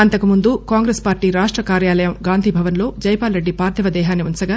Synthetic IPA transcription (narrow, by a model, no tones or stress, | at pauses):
ɐnt̪ɐkumund̪ukaːŋɡɾespaːɾʈiːɾaːʂʈɾɐkaːɾjaːlɐjɐmɡaːnd̪ʱiːbʱɐʋɐnlo̞ːd͡ʒɐjpaːlɾeɖːipaːɾd̪ʰʱɐʋɐd̪ɛːɦaːnːiunt͡ʃɐɡaː